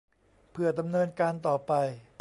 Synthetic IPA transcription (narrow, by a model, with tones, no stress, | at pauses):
pʰɯ˨˩ɐda˧mnɤː˧nkaː˧nt̪ɔː˨˩pa˧j